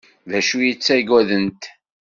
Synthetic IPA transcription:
væʃujit͡sːæɡæðənt̪

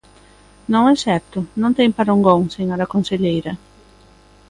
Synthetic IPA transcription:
nõŋɛsɛɾt̪ʊnõnt̪ɛjpaɾoŋɡoŋseŋaɾakonseʎejɾa

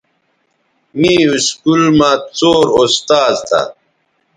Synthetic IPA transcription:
miːuskulmãːt͡soːɾost̪aːlt̪ʰa̰

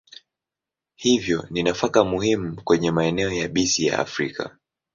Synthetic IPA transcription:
hivjɔninafakamuhimukwɛɲɛmaɛnɛɔjaɓisija̰a̰fɾikʰa̰

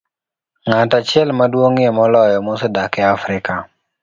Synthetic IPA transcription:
ŋatat͡ʃɪɛlmadwoŋemɔlɔjɔmʊsɔdakɛafɾɪka

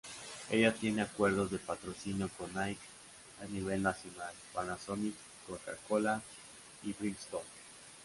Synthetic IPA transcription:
e̞ʝat̪je̞neakwe̞ɾðozðe̞pat̪ɾosinjokonajk | aniβ̞e̞lnasjo̞nalpanasonik | koka̰kola | ibɾinst̪on

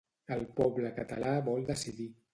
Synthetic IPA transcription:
əlˠpɔbləkət̪əlaβɔlˠd̪əsiði

